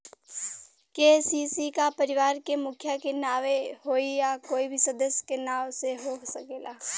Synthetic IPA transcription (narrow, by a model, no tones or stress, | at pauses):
keːsiːsikapəɾɪʋaːɾkemʊkʰjakenaːʋehoːijakoːibʱisɐd̪əsjkenaːwseɦoːsəkeːlaː